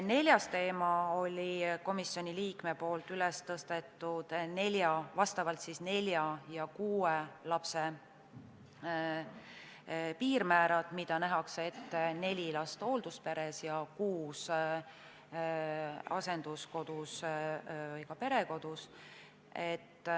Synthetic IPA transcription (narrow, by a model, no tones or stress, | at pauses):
ne̞lʲjɑst̪e̞ːmɑo̞lʲiko̞misːjo̞nʲiliːkme̞po̞ːlt̪ylest̪ɤst̪e̞t̪ːˑud̪̥ne̞lʲjɑvɑst̪ɑvɑlt̪sisne̞lʲjɑjɑkuːelɑpse | piːɾmæːɾɑt̪mid̪̥ɑnæɦɑkset̪ːene̞lʲilɑst̪o̞ːld̪̥uspe̞ɾe̞sjɑkuːs | ɑse̞nd̪̥usko̞d̪̥us | vɯjkɑpe̞ɾe̞ko̞d̪̥us | e̞t̪ː